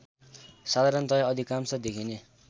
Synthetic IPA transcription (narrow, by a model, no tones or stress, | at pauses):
sad̪ʱaɾʌnt̪ʌjaʌd̪ʱikamsʌd̪ekʰine